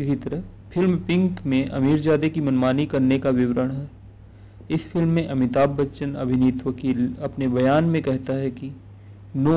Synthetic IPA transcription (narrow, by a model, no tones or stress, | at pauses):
ɪsit̪ɐɾəɦ | fʰɪlmpɪ̃ŋkmẽʔɐ̰miːɾd͡ʒaːd̪ekimɐnmaːnikɐɾnekaʋɪʋɾəɽɦɛː | ɪsfʰɪlmːẽʔɐmɪt̪aːbːɐʃənɐ̰bʱɪniːt̪ʋəkiːlɐpnebɐjaːnmẽkɛɦt̪aɦɛki | noː